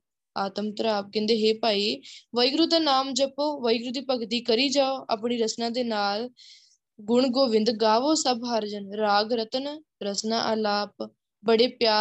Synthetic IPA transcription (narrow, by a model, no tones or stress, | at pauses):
aːt̪əmt̪əɾaːp̚kɛ̃ːnd̪eːɦeːpaːiːʋəjɡɾuːd̪aːnaːmd͡ʒəpoːʋəjɡɾuːd̪iːpəɡt̪iːkəɾiːd͡ʒaːoʔa̰ːpɳiːɾəsnãːd̪eːnaːl | ɡʊɳɡoːʋɪnd̪ɡaːʋoːsəbɦaːɾd͡ʒənɾaːɡɾət̪ən | ɾəsnã̰ːʔəlaːp̚ | bəɽeːpjaː